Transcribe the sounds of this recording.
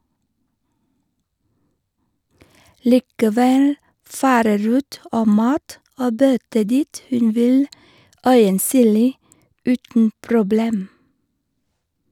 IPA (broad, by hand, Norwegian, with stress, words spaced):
liːkəˈʋɛl ˈfɑːɾə ˈɾuːt ˈoː ˈmɑːt ˈoː ˈbœtə ˈdiːt ˈhʉn ˈʋɪl ˈœʏənˌsyːliː ˈʉːtn̩ pɾʊˈbleːm